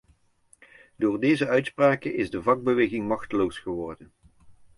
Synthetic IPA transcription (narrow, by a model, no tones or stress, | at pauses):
doːrdejzəœɥtspraːkənʔɪzdəvɑɡ̚bəʋejɣɪŋmɑχtəlowsχəʋɔrdən